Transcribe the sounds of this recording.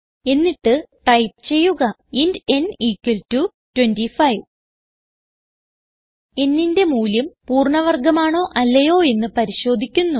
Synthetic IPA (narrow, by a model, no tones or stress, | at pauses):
e̞nːiʈːɨʈɐjp̚ɨt͡ɕe̞jːuɣɐ | inde̞niːkːɐltu | twendifɐjʋ | e̞nːinde̞muːljɐmpuːrɳɐʋɐrɡɐmaːɳoːʔɐlːɐjo̞ːe̞nːɨpɐɾiɕo̞ːd̪ʱikʲːunːu